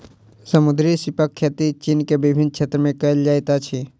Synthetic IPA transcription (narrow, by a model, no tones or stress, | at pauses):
səmʊd̪ɾisɪpəkʰːjet̪it͡ʃiːnkebɪbʱɪnkt͡ʃʰeːt̪ɾəmẽkɐld͡ʒaːjt̪at͡ʃʰi